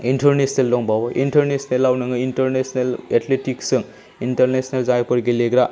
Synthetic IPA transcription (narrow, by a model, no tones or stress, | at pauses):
intɐɾnesnelːɔŋbawʔintɐɾnesnelːawnɯŋɯintɐɾnesneletletiksɯŋ | intɐɾnesnelzajpʰɯɾɡeleɡɾa